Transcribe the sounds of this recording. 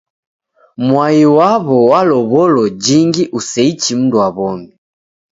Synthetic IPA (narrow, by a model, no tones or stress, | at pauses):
mwaiwaβɔwalɔβɔlɔd͡ʒiŋɡiʔusɛit͡ʃim̩ndwaβɔmi